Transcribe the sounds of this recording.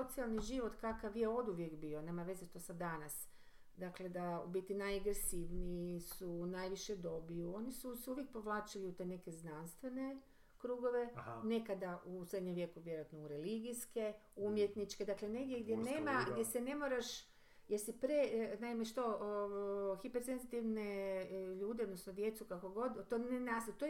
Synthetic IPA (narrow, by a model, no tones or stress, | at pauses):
ot̪sialˠniʒiʋo̞t̪kakaʋjeo̞d̪uʋje̞kbio̞ne̞ːmaʋe̞zeʃt̪osad̪anas | d̪akle̞d̪aubit̪inajaɡɾesiʋnisunajʋiʃed̪o̞bijuo̞nisuseuʋjek̚po̞ʋlˠaːt͡ʃiliut̪ene̞ke̞znanst̪ʋe̞ne̞ | kɾuɡo̞ʋe̞ne̞kad̪aʔused̪ɲemʋje̞kuʋje̞ɾojat̪nouɾeliɡiske̞umjet̪nit͡ʃked̪akleneɡd̪jeɡd̪jenemaɡd̪jesene̞mo̞ɾaʃ | jeɾsipɾenaimeʃt̪o̞ | xipeɾsenzit̪iʋneʎuːd̪eod̪nosnod̪je̞t̪sukako̞ɡo̞d̪t̪onenast̪at̪o